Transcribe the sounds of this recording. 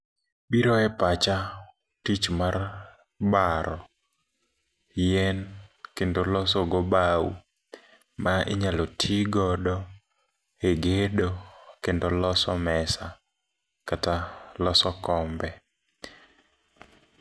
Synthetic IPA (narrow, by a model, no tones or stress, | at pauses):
biɾɔɛpat͡ʃa | tit͡ʃmar | baɾɔ | jɛnkendolɔsɔɡɔbaṵ | maʔɪ̰ɲalɔtʰiɡɔdɔ | eɡedokendolɔsɔmɛsa | katalɔsɔkɔmbɛ